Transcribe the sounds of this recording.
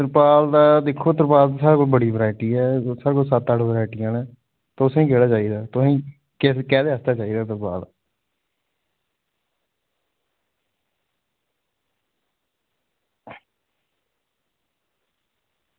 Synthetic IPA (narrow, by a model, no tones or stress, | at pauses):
ɾpaːld̪aːd̪ɪkʰːoːt̪əɾpaːd̪saːɾaːkolbəɽiːʋɾaːɪʈiːɛːsaːɾkoːsət̪ːəʈʰʋɾaːɪʈiːãːnɛ̃ː | t̪oːʊsĩːkeːɽaːt͡ʃaːiːd̪aːt̪ʊsĩː | kɪkɛːd̪eːəst̪aːt͡ʃaːiːd̪aːt̪əɾbaːd̪